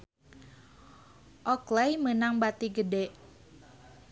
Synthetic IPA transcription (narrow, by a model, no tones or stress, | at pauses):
ʔɔklɛjmənaŋbat̪iɡədɛʔ